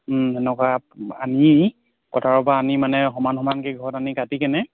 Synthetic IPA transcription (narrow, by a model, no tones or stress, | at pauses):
ɛnɛkaani | kɔtʰaɹɔpaːnimanɛxɔmanxɔmankiɡʱɔɔtanikatikɛnɛ